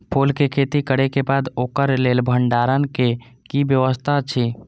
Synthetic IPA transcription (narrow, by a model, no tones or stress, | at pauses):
pʰolkekʰet̪ikəɽekebad̪oːkəɾlelbʱəɳɖaɾənke | kibjəʋəst̪ʰat͡ʃʰi